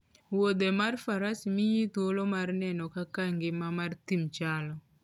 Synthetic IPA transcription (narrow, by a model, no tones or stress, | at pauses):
wod̪emarfaɾasimiɲit̪wolomarnɛnɔkakaŋɡɪmamart̪imt͡ʃalɔ